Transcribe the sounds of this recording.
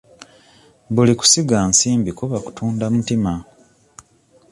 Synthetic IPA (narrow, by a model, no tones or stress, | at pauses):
βuliku̥siɡaːnsiːmbikoβaku̥tʰuːndamutima